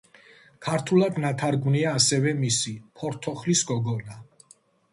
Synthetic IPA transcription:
kʰaɾt̪ʰulad̪nat̪ʰaɾɡvniaːsɛvɛmisipʰɔɾt̪ʰɔχlisɡɔɡɔna

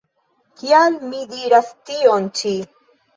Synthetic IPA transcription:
kialmidiɾastiont͡ʃi

